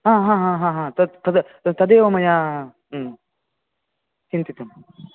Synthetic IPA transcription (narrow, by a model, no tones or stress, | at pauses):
ɦãːɦãːɦãːɦãːɦãːt̪ɐt̪ɐd̪ | t̪ɐd̪eːʋɐmɐjaː | t͡ʃint̪it̪ɐm